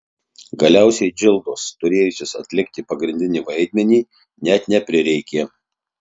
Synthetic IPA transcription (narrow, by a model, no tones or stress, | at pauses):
ɡɐlʲæˑʊsʲɛɪd͡ʒʲɪlˠd̪oːst̪ʊɾʲeːjʊsʲɪsɐ̰t̪ʲlʲɪkt̪ʲɪpɐɡɾʲɪnʲd̪ʲɪnʲiːʋɐɪd̪ʲmʲɛnʲiː | nʲɛt̪nʲɛpʲɾʲɪɾʲɛɪkʲeː